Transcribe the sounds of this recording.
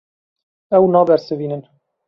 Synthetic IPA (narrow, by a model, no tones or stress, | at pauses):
ɛwnɑːbɛɾsɨviːnən